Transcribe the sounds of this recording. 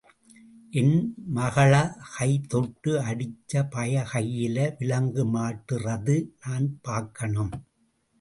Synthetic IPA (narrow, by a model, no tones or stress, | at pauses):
ʔɪnmɐɣɐɭɐhɐɪt̪ɔʈːɯɐɽɪt͡ʃːɐpɐjɐɣɐjːɪlɐʋɪlɐŋɡɯmaːʈːɯrɐðɯnaːnpaːɾkːɐɳɐm